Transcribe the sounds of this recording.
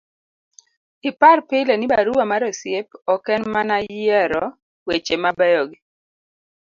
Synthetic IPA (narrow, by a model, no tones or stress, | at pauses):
ɪparpɪlenɪbaɾuwamaɾɔsjepɔkɛnmanajɛɾɔ | wet͡ʃemabɛjoɡi